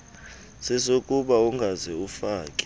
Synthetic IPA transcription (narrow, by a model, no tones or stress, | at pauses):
sɛsokʼuɓauŋɡʱazɛufaːkʼɛ̥